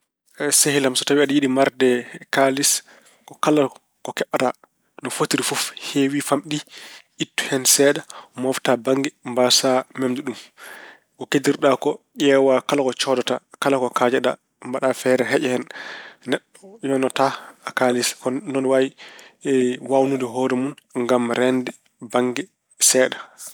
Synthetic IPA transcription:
sehilamsɔtawiaɗijiɗimaɾdɛkalis | kɔkala | kɔkɛɓːata | nɔfotiɾifufhewifamɗiʔitːu̥hɛnsɛːɗamɔftabaŋɡɛmbasamemduɗum | kɔkediɾɗakɔʔɛwakalakɔt͡ʃɔdɔtakalakɔkad͡ʒɛɗa̰ | mbaɗafɛɾɛɦɛʔɛhɛnnɛɗːɔjɔnɔtaakaliskɔnɔnwawiɛwawnudɛɦɔːɾɛmunŋɡamɾɛndɛ | baŋɡɛ | sɛːɗa

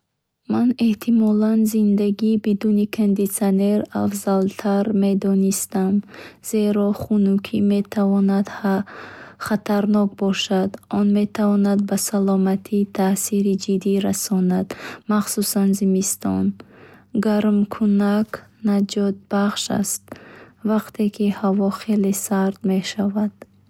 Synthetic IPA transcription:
mane̞ht̪ʰimɔlanzind̪aɡiːbid̪unikʰand̪it̪siane̞ɾafzalt̪ʰaɾme̞d̪ɔnist̪amz̥e̞ɾɔχunukʰime̞t̪ʰavɔnad̪ | χat̪ʰaɾnɔk̚bɔʃad̪ʔɔnme̞t̪ʰavɔnad̪̚basalɔmat̪ʰiːt̪ʰasiɾid͡ʒid̪iɾasɔnad̪maχsusanzimist̪ɔ̰n | ɡaɾmkʰunaknad͡ʒɔt̪̚baχʃa̰st̪̚vaqt̪ʰekʰihavɔχe̞lesaɾd̪me̞ʃavad̪̥

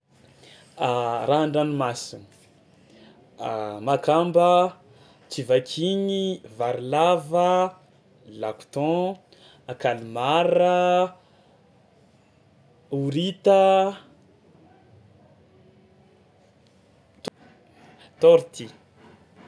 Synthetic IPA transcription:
raɳɖ͡ʐanimasin | makambə | t͡sivakʰiɲivaɾilavə | laku̥t̪ɔ̃ | akalimarə | uɾit̪ə | t | t̪ɔɾt̪i

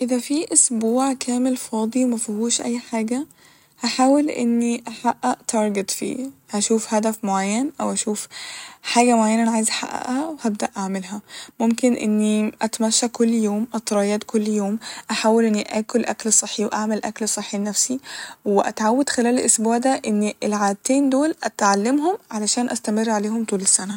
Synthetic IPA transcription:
ʔɪðæfiʔosbuːʕkʰæːmelfɑːd̪ˤimæfihuːʃʔæ̰jːħaːɡæ | haħaːwelʔḛnːiʔaħaʔːæʔt̪ʰɑɾˤɡet̪fḭːhæʃuːfhæd̪æfmoʕajːænʔæwʔæʃuːfħaːɡæmoʕajːænæʔænʕaːjezʔaħa̰ʔːæ̰ʔhæwhæb̚d̪æʔaʕmelɦæmomkenʔḛnːiʔæt̪mæʃːækolːjoːmʔɑt̪ˤːɾˤɑjæːd̪kʰolːjoːmʔaħaːwelʔenːiʔæːkolʔæ̰klsˤeħːiweʔaʕmælʔæ̰klsˤeħːinːæfsiweʔæ̰t̪ʕawːæd̪xelæːlelʔosbuːʕd̪æʔenːiʔelʕaːd̪̚t̪eːnd̪oːlʔæt̪ʕalːemɦomʕalæʃæːnʔæst̪æmerːʕaleːhomt̪ˤuːlesːænæ

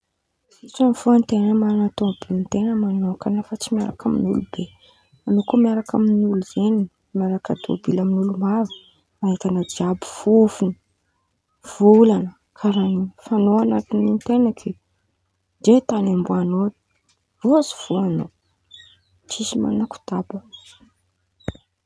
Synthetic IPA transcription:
iʈ͡ʂaniv̥oant̪enəmanat̪obint̪enəmanokanafat͡simiaɾa̰kamḭnṵlube | manokumiaɾakaminuluzeni | maɾakəd̪o̰bilaminulumavə̥ | aek̪anəd͡ʒiabiv̥ufuni̥ | v̥ulanə | kʰaɾanifanoanat̪inint̪enakʰi | d͡ʒet̪anambuano̥ | roazi̥v̥oano | t͡ʃizima̰naku̥t̪abə

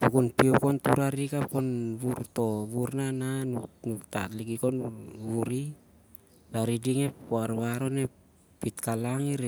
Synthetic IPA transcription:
pukunpiokontuɾaɾikaponβuɾto̞βuɾnananunukta̰tliɡikonβuɾi | laɾidiŋe̞poaɾβaɾo̞nepː | itkalaŋiɾ

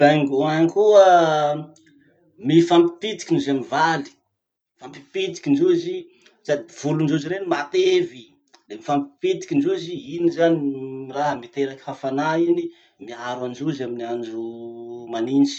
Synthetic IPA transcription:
b̥aŋɡuaŋkuə | mifampi̥pit̪i̥kʲinuzamivali̥ | fampi̥pit̪i̥kʲind͡ʒuzi | sad̪iv̥ulund͡ʒuziɾenimat̪evi | lemifampi̥pit̪i̥kʲind͡ʒuziinizaniiraɦəmit̪eɾaki̥fafanaini | miaɾwand͡ʒuzaminiand͡ʒumanint͡ʃi̥

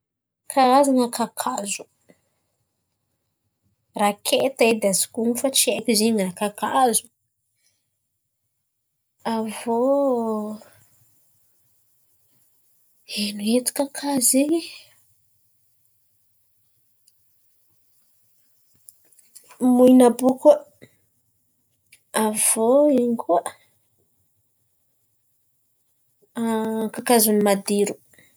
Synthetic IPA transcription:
kʰaazaŋakʰakʰazu̥ | rakʰet̪ed̪azi̥kuŋufat͡ʃiekiziɲrakakazu̥ | avo | enuet̪u̥kakʰazi | muinabuku | av̥oiŋɡuə | kakazunimad̪iɾu̥

